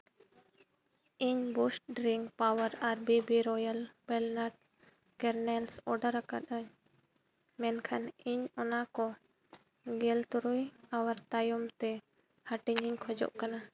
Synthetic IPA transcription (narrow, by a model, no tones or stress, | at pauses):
iɲbusʈɖɾiŋɡpawəɾaɾbibiɾɔjəlbɛlnaɾɖ | kɛɾnɛlsɔɖəɾaka̰t̪aɲ | mɛnkʰaniɲɔnakɔ | ɡɛlt̪uɾujawaɾt̪ajɔmt̪ɛ | haʈiɲiɲkʰɔd͡ʒɔ̰ʔkana